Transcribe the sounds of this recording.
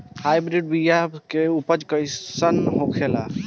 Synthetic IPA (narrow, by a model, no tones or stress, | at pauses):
hajbɾiɖ̚bijakeupəd͡ʒkəjsənɦokʰela̰